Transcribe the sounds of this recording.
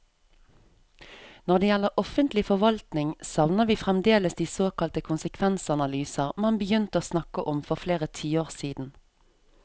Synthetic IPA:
nɔʁd̪eːjɛləʁʔɔfənt̪lɪfɔʋɑlt̪nɪŋsɑʋnəʋiːfʁɛmd̪eːləsd̪iːsoːkɑlt̪əkʰʊnsəkʰʋɛnsɑnɑlyːsəʁmɑnbəjʏnt̪əoːsnɑkəʔɔmfɔʁfleːʁət̪ʰiːoːʁsiːd̪n̩

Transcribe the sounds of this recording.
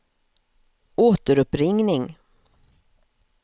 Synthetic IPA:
ʔoːt̪əɾɵpɾɪŋnɪŋ

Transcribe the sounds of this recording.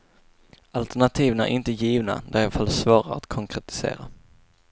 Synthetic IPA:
alt̪æɳat̪ʰiːvnæ̰ɾʔɪnt̪əjiːvna̰d̪æɾɑfalːsvɑːɾa̰ɾa̰t̪kʰɔŋkʰɾɛt̪ɪ̥sḛːɾa

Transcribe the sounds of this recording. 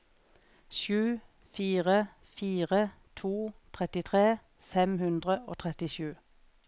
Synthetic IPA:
ʃʉː | fiːʁə | fiːʁət̪ʰuːt̪ʰʁɛt̪ɪt̪ʰʁeː | fɛmhʉnd̪ʁəo̰ːt̪ʰʁɛt̪ɪʃʉː

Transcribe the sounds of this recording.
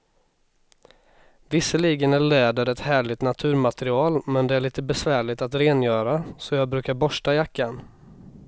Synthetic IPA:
vɪsəliːɡənæɭɛːd̪əɾɛt̪hæːɭɪt̪nat̪ʰʉ̟ːɾmat̪ɛɾɪɑːlmɛnd̪ɛæɭiːt̪əbɛsvæːɭɪt̪at̪ɾeːnjœːɾasɔjɑːɡ̚bɾʉ̟ːkaɾbɔʂʈajakːan

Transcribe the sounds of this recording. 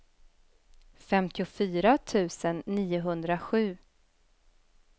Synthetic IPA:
fɛmt̪ʰɪʊfyːɾat̪ʰʉ̟ːsənːiːʊɦɵnd̪ɾaɧʉ̟ː

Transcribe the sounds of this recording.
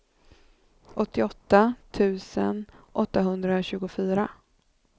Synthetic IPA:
ʔɔt̪ːɪɔt̪ːat̪ʰʉ̟ːsə̰nʔɔt̪ːaɦɵnd̪ɾaɕʉ̟ːɡʊfyːɾa

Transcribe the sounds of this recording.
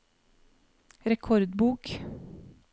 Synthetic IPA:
ɾɛkʰɔɾd̪buːk

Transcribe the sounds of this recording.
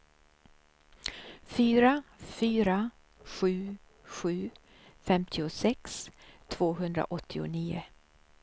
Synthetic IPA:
fyːɾafyːɾa | ɧʉ̟ː | ɧʉ̟ː | fɛmt̪ʰɪʊsɛkst̪ʰv̥oːɦɵnd̪ɾa̰ʔɔt̪ʰːɪʊ̰niːʊ̰

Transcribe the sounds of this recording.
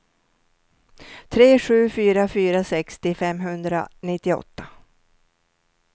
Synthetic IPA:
t̪ʰɾeːɧʉ̟ːfyːɾafyːɾasɛkst̪ɪfɛmɦɵnd̪ɾa̰nɪt̪ːɪɔ̰t̪ːḁ

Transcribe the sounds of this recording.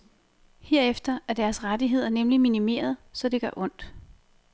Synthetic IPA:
heɐ̰efd̥ɐæɐd̥æɐsʁad̥iɦe̝ð̞̰ˠɐnemliminime̝̰ːɐð̞̩ˠsɒ̽d̥e̝ɡ̥ɶːʔɔ̽n̰d̥

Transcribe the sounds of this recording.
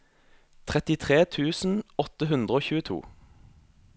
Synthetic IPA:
t̪ʰʁɛt̪ɪt̪ʰʁeːt̪ʰʉːsn̩ɔt̪əɦʉnd̪ʁəoːçʉːət̪ʰṵː

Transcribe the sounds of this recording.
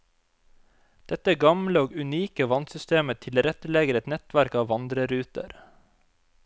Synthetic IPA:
d̪̥ɛt̪əɡɑmləoːɡʉniːkəʋɑnsʏst̪eːmət̪ʰɪlɾɛt̪əleːɡəɾɛt̪nɛt̪ʋæɾkɑːʋɑnd̪ɾəɾʉːt̪ə̰ɾ

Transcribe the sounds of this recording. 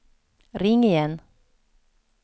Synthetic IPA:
ɾɪŋːɪjɛn

